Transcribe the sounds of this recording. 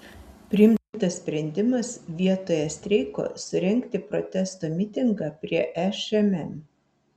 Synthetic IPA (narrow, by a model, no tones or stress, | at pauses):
pʲɾʲɪɪmʲt̪ɐssʲpʲɾʲɛnʲd̪ʲɪmɐsʋʲiɛt̪oːjɛsʲt̪ʲɾʲɛɪko̰ːsʊɾʲɛŋʲkt̪ʲɪpɾɔ̰t̪ʲɛst̪oːmʲɪt̪ʲɪŋɡɑːpʲɾʲiɛʔɛʃɛmɛm